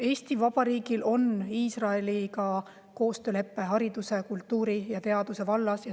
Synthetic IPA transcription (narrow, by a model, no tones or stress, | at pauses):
e̞ːst̪ivɑb̥ɑɾiːɡ̥ilʔo̞niːsrɑe̞likɑ | ko̞ːst̪øːle̞pːe̞ɦɑɾid̪̥use̞kult̪ːuːɾijɑt̪e̞ɑd̪use̞vɑlːɑsjɑ